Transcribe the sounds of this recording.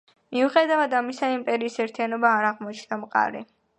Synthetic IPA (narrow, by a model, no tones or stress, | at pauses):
miuχɛd̪avad̪amisaimpʼɛɾiːsɛɾt̪ʰijanɔbaːɾaʁmɔt͡ʃʰnamqʼa̰ɾḭ